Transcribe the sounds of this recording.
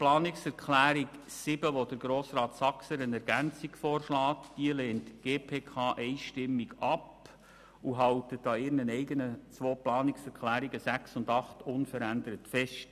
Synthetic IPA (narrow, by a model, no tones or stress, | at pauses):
plɑːnɪksɛɾkʰlæːɾiksɪb̥əʋodəɾɡ̥ɾoːsrɑːtsɑksəənɛɾɡænt͡siɡ̥fɔːrʃlɑːtd̥iəleːntɡ̥eːpʰeːkʰɑːʔɛɪʃtɪmːiɡɑp | uɦɑwtətɑɪɾnənɛɪɡənət͡sʋoːplɑːnɪksɛɾkχlæːɾiɡəsæksʊndɑχtʊnfəɾændəɾətfɛʃt